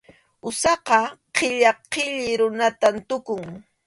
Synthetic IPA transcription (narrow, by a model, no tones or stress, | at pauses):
ʊsɑqɑqʰɪʎɑqɪʎɪɾʊnat̪ant̪ʊkʊŋ